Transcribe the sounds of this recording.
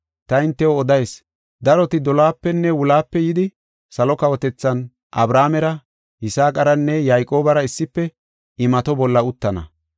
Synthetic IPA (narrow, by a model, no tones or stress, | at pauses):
t̪ɐɪnt̪ːɛwɔːd̪ɐjs | d̪ɐɾɔt̪ɪd̪ɔlaːpːɛnːɛwʊlaːpːɛjɪd̪ɪ | sɐlɔkɐwɔt̪ɛt͡sːɐn | ʔɐbɾaːmɛɾɐ | ɪsaːkʼɐɾɐnːɛjajkʼo̞ːbɐɾɐɪsːɪpːɛ | ɪmɐt̪ɔbɔlːɐʊt̪ːɐnɐ̰